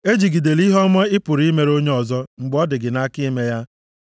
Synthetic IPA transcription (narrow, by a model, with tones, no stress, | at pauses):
e˦d͡ʒi˨ɡi˨de˨li˦ɦɔ˦mɔ˦ɪ˦pʊ˨ɾi˦me˨ɾo˦ɲe˦ɔ˨zɔ˦ŋ͡m̩˨ɡ͡bɔ˦dɪ˨ɡɪ˨na˦ki˦me˦ja˦